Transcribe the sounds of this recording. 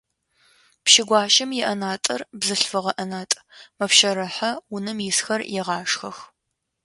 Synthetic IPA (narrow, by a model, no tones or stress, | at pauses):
pʃɪɡʷɑːʃɐmjɛʔɐnaːtʼɐrbzɨɬfɨʁɐʔɐnaːtʼ | mɐpʃɐɾɐħɐwʊnɨmjɪsxɐrjɛʁɑːʂxɐx